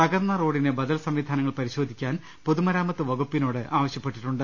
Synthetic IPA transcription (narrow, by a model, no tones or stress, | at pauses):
pɐɡɐrnːɐro̞ːɽinɨbɐd̪ɐlsɐmʋid̪ʱaːnɐŋːɐɭpɐɾiɕo̞ːd̪ʱikʲːaːn | poðumɐɾaːmɐt̪ːɨʋɐɡupːinoːɽɨʔaːʋɐɕjɐpːe̞ʈːiʈːuɳɖɨ